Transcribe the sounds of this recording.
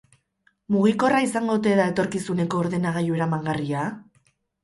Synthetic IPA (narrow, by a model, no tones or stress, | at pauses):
muɣ̞iko̞raisaŋɡot̪̬e̞ðae̞t̪o̞ɾkisune̞ko̞ːɾðe̞naɣ̞ajue̞ɾamaŋɡaria